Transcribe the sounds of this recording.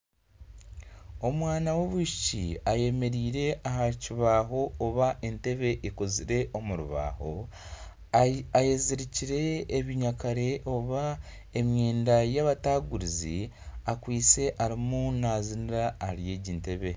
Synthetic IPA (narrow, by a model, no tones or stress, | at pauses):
o̞mwaːnawo̞βuʃi̥cḭaje̞me̞ɾiːɾe̞ʔaɦaciβaːɦo̞ːβaʔente̞βe̞ʔikoziɾe̞ʔo̞muɾṵβa̰ːho̞ | ajeziɾiciɾe̞ːβiɲakaɾe̞ʔoβa | e̞mje̞ːndajaβataːɡuɾizḭakwiːt͡se̞ʔaɾimunaːziniɾaːhaɾje̞ɟiːnte̞βe̞